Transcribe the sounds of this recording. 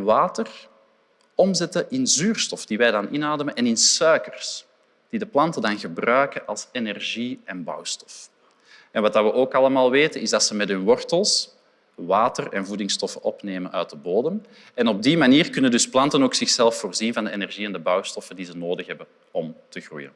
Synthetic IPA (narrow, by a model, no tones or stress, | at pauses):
ʋaːtər | ɔmzɛtəʔɪnzyːrstɔfd̥iʋɛjdɑnʔɪnaːdəmənɛnɪnsœɥkərs | d̥idəplɑntədɑnɣəbrœɥkəʔɑlˠsenɛrʒiɛnbɑ̰wstɔ̥f | ɛnʋɑt̚daʋəʔoːkɑlˠəmaːlˠʋeːtənɪzdɑtsəmɛtɦʏnʋɔrtəlˠs | ʋaːtərɛnvudɪŋstɔfəɔpneːmənœɥt̚dəboːdəm | ɛnɔb̚dimaniːrkʏnəndɵsplɑntənoːksɪxsɛlˠfːoːrzinvɑndəenɛrʒiɛndəbœwstɔfəndizənoːdəxɦɛbən | ɔmtəɣrṵjə̰n